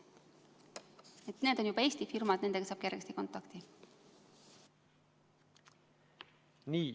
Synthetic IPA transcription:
et̪neːd̪o̞njubɑe̞ːst̪ifirmɑd̪̥ne̞nd̪e̞kɑsɑːb̥kjerɡ̥est̪iko̞nt̪ːˑɑkt̪i | niː

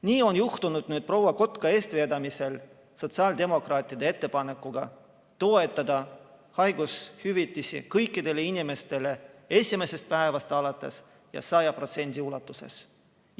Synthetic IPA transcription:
niːo̞njuht̪unud̪̥nyːt̪̚pro̞wɑko̞t̪ˑkɑe̞ːst̪ve̞ːd̪ɑmise̞l | so̞t̪sɑːld̪e̞mo̞krɑːt̪ʲˑiɑd̪ee̞t̪ːe̞pɑne̞kːˑuɡ̥ɑ̰ | t̪o̞e̞t̪ːˑɑd̪̥ɑhɑjɡ̥ushyvit̪ːˑisḭkɤjkːˑid̪̥e̞le̞inime̞st̪e̞le̞e̞sʲime̞se̞st̪̚pæevɑst̪eɑlɑt̪ːˑe̞̰s | jɑ̰sɑjɑpro̞t̪se̞nʲd̪̥ʲiulɑt̪ːˑuse̞̰s

